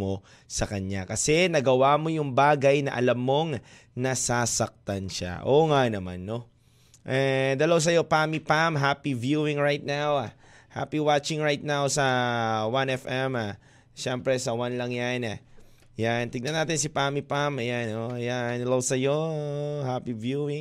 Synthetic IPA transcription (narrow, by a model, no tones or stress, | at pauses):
mo̞ | sɐkɐɲakɐsɛnɐɡɐwaːmo̞jʊŋbaːɡɐjnɐʔɐlamːo̞ŋ | nɐsasɐk̚t̪ɐnʃa̰ʔoŋanɐma̰nːo̞ | ʔɛd̪ɐlɐws̬ɐjo̞pamipamɦapivjuɪŋɹajt̪̚nawa | ha̰piwat͡ʃɪŋɹajt̪̚nawsɐwanɛfʔɛma | ʃɛmpɾɛsɐwanlɐŋjana | jant̪ɪɡ̚nɐnːaːt̪ɪnsipamipamɐjanoɐjand̪ɐlɐwsɐjohapivjuɪŋ